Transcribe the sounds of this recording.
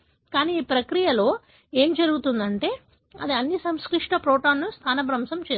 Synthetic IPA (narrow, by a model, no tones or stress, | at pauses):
kaːniːiːpɾɐkɾijɐlo̞ː | e̞ːmd͡ʒɐɾuɡut̪und̪ɐɳʈe̞ː | ɐ̰d̪iɐnːisɐmskɾiʂʈɐpɾoːʈaːnːust̪ʰaːnɐbɾɐmsɐmt͡ʃeː